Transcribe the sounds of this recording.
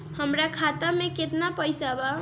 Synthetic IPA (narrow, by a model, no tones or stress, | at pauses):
həmɾakʰat̪ameket̪napəjsaba